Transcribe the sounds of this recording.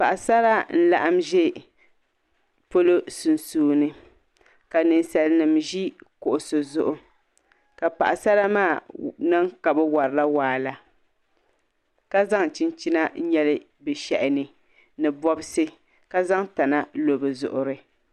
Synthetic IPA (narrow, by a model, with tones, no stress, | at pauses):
pa˨ʔa˨sa˦ɾa˦n̩˦la̰˦ʔa˦mʒɛ˦ | po˦lo˦su˨nsuː˨nɨ˦ | ka˨nɨ˨nsa˨lnɨ˨mʒi˦kʊ˨ʔʊ˨so˨zʊ˦ʔʊ˦ | ka˨pa̰˨ʔa˨sa˦la˦maː˦˨nɨ˦ŋka˨bɨ˦wa˨ɾɨ˨la˦waː˨la˨ | ka˦za˦ŋ˨t͡ʃi˦nt͡ʃi˦na˦ɲɛ˦lɪ˦ | bɨ˨ʃɛ̰˨ʔɪ˨nɨ˨ | nɨ˨bɔ˦bɨ˦sɨ˦ | ka˦za˦ŋta˨na˦lo˨bɨ˨zʊ̰˨ʔʊ˨ɾɨ˦